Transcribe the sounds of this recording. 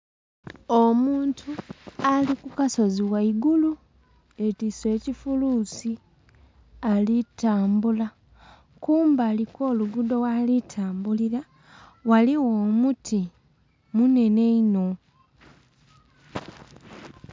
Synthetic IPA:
omuːntʰualikukaso̞ziwaiɡulu | e̞tiswe̞ːcifuluːsi | alitaːmbula | kuːmbaːliko̞ːluɡudo̞walitʰaːmbuliɾa | waliwoːmutʰi | mune̞ne̞ino̞

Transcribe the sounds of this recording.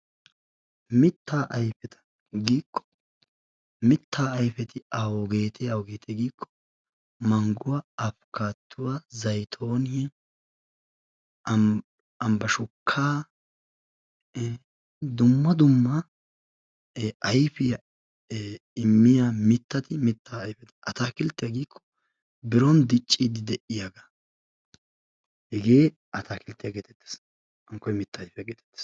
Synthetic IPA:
mɪt̪ːaːʔɐjfɛt̪ʰɐ̥ | ɡiːkʰːɔ̥ | mɪt̪ːaːɐjfɛt̪ɪɐwoɡe̞ːt̪ʰɛɐwoɡeːt̪ʰɛɡiːkʰːɔ̥ | mɐŋɡʊwaɐfkaːt̪ʰːʊwazɐjt̪ʰo̞ːnɪjɛ | ɐmbɐʃʊkʰːaː | d̪ʊmːɐd̪ʊmːɐ | ʔɐjfɪjɐ | ɪmːɪjaːmɪt̪ːɐt̪ɪmɪt̪ːaːjfɛd̪ɐʔɐt̪aːkɪlt̪ːɪjaɡiːkʰːɔ̥ | bɪɾɔnd̪ɪt͡ʃʼːid̪ɪd̪ɛʔɪjaɡa | hɛɡe̞ː | ʔɐt̪ʰaːkɪlt̪ːɪjaɡeːt̪ɛ̥t̪ːe̥s | ɐŋkːɔjmɪt̪ːɐːjfjaɡeːt̪ɛ̥t̪ːe̥s

